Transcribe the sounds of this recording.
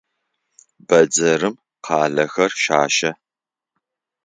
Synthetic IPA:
b̥ɐd͡zɐɾɨm | qʰɑːɮɐxɐrʃaːʃɐ

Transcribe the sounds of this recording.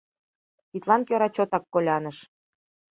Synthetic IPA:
t̪it̪lɑnkʲøɾɑt͡ɕot̪ɑkːolʲɑnəʃ

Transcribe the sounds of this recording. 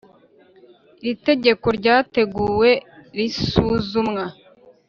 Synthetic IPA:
iɾite̞ɟe̞ko̞ɾɟaːte̞ɡuːwe̞ɾisuzumŋa

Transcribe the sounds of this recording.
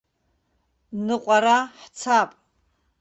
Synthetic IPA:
nɨqʷʼaɾaħt͡sʰapʼ

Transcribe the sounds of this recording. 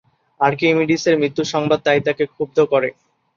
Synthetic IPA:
aɾkimiɖiseɾmɾit̪ːuʃɔŋbad̪̚t̪ajt̪akekʰub̚d̪ʱokɔɾḛ

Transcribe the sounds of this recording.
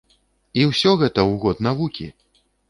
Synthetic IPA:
iwsʲɔɣɛt̪ɐwɣɔd̪navukʲḭ

